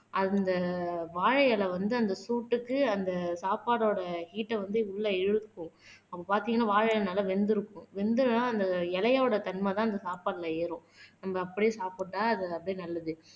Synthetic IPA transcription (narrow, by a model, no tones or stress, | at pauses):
ʔɐnd̪ɐʋaːɻɐjɐlɐʋɐnd̪ɯɐnd̪ɐsuːʈːɯkːɯɐnd̪ɐsaːpaːɽoːɽɐhiːʈːɛʋɐnd̪ɯʊɭːɐɛɻɯɯkːʊ̃ | ɐpːɐpaːɾt̪iːŋɡɐnːaːʋaːɻɐjlɐnɐːlɐʋɛnd̪ɪɾɯkːʊ̃ʋɛnd̪ɯɾnaːɐnd̪ɐɛlɐjoːɽɐt̪ɐnmaːt̪̬ãːɐnd̪ɐsaːpaːʈlɐeːɾʊ̃nɐmbɐːpːɐɽijesaːpɯʈːaːɐðɯɐpːɐɽinɐlːɐðɯ